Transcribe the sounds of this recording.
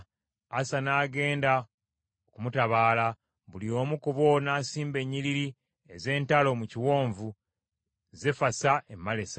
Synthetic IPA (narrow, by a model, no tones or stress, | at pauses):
asanaːɡe̞ːnda | okumutaβaːla | βulio̞ːmukuβo̞naːsiːmbe̞ɲːiɾiɾi | e̞ze̞ːntalo̞muciwo̞ːɱvu | zefasaʔemːale̞sa